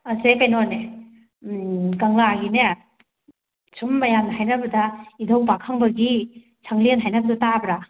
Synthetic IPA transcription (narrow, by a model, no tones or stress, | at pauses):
asekajnɔne | ɡaŋaɡine | sʰumːajamnɐɦajnɐbɐdaidʱawbakʰaŋbɐɡi | sʰaŋlenɦajnɐbɐdɔtabɾa